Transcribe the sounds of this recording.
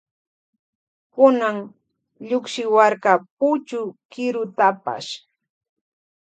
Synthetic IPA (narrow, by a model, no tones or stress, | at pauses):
kʊnaŋ | ʎʊkʃɪwaɾkapʊt͡ʃʊkɪɾʊt̪apa̰ʃ